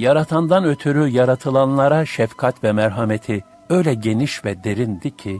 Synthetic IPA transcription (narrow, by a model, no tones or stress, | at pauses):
jaɾat̪ʰand̪anø̞t̪ʰyɾyjaɾat̪ʰɯlˠanlˠaɾaʃɛfkʰat̪vɛmɛɾɦamet̪ʰi | ø̞jlʲɛɟe̞niʃvɛd̪e̞ɾind̪icʰi